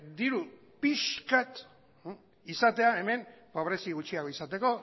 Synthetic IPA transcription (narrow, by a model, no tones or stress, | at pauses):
d̪iɾu | piʃkat̪ | isat̪e̞ae̞me̞npoβɾe̞siɣ̞ut͡ʃiaɣoisat̪e̞ko̞